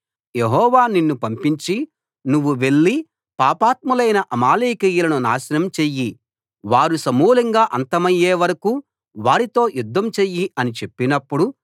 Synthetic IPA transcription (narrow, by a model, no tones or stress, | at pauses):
je̞ɦɔːʋaːninːupɐmpiɲt͡ʃi | nuʋːuʋe̞ɭːi | paːpaːt̪̚mulɐjnɐʔɐmaːliːkijulɐnuna̰ːʃɐnɐmt͡ʃeːjːi | ʋaːɾusɐmuːlɐŋɡaːʔɐnt̪ɐmɐjːeːʋɐɾɐku | ʋaːɾit̪o̞ːjud̪ʱːɐmt͡ʃejːiɐnit͡ʃe̞pːinɐpːuɽu